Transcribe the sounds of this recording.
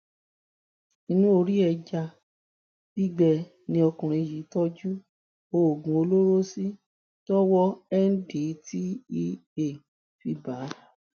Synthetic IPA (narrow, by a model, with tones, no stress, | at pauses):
nĩ˦nũ˦o˧ɾi˦ɛ˧d͡ʒa˧ | b̥i˦ɡ͡bɛ˧˨ | nĩ˧ɔ˧kũ˨ɾ̃ĩ˧ji˨˦tɔ˦d͡ʒu˦ | o˧˨ɡũ˨˦o˧lo˦ɾo˦si˦ | tɔ˦wɔ˦ɛ˦n̩˦di˨˦ti˦i˦e˨ | fi˧ba˨˦